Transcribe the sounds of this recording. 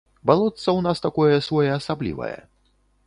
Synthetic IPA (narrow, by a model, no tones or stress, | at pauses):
balˠɔt̪sɐwnast̪akɔjɛsvɔjɛasablʲḭvɐ̰jɛ̰